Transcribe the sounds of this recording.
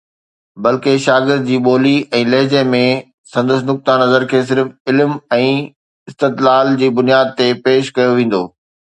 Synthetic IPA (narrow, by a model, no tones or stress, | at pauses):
bɐlkeʃaːɡɪɾd̪̚d͡ʑiːɓoːliɛ̃ːlɐɦd͡ʑemẽ | sɐ̃nd̪əsnʊk̚t̪anɐzəɾkʰeːs̬ɪɾfɪlmɛ̃ː | ɪst̪ɪt̪laːld͡ʑiːbʊnijaːd̪̚t̪epeːʃkɐjoʋẽːn̆d̪oː